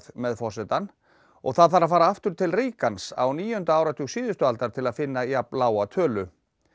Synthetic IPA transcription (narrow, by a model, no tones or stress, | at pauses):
ðmɛðfɔr̥sɛt̪an | ɔ̰ɣθaðθaɾaðfaːɾaaft̪ʏɾ̥t̪ʰɪlriːkansa̰wniːjʏhʏnt̪aaːwɾat̪ʰʏɣsiːðʏst̪ʏalt̪aɾ̥t̪ʰɪlaðfɪnːajaplaːwat̪ʰœːlʏ